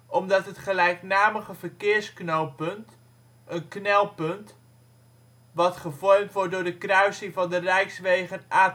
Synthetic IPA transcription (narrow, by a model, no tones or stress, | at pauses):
ɔmdɑtɦətχəlɛjknaːməχəvərkɪːɹsknowpɵnt | ʔənknɛlˠpɵnt | ʋɑtχəvɔrmtʋɔɹt̚dʊːɹdəkrœɥsɪŋvɑndərɛjksʋejχənaː